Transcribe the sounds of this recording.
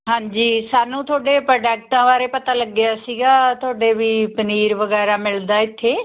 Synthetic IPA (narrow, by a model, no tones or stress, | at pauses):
ɦãːɲd͡ʒiːsaːnũːt̪ʰoːɖeːpɾəːɖɛːk̚ʈãːʋaːɾeːpət̪aːləɡjaːsiːɡaːt̪ʰoːɖeːʋiːpəniːɾʋəɡɛːɾaːmɪld̪aːɪt̪ʰːeː